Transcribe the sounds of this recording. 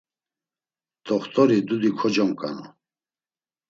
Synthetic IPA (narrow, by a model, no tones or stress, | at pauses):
t̪ʰʼɔχt̪ʼɔɾid̪ud̪ikʰɔd͡ʒɔmkʼa̰nɔ̰